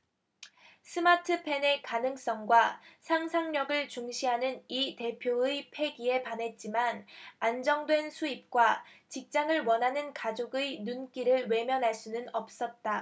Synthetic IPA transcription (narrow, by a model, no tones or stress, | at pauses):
sʰɯmatʰɯpʰe̞ne̞kanɯŋs͈ʌŋɡwasʰaŋsʰaŋɲʌɡɯɭt͡ɕuŋɕʰiɦanɯnite̞pʰjoɯjpʰe̞ɡie̞panɦe̞t̚t͡ɕ͈imanand͡ʑʌŋdwe̞nsʰuip̚k͈wat͡ɕik̚t͡ɕ͈aŋɯɭwʌnɦanɯnkad͡ʑoɡɯjnunk͈iɾɯɭwe̞mjʌnɦaɭs͈unɯnʌp̚s͈ʌt̚t͈a